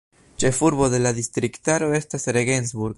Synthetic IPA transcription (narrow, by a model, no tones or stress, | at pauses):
t͡ʃe̞fuɾbo̞d̪e̞lad̪ist̪ɾiktaɾo̞e̞stasɾeɡensbuɾɡ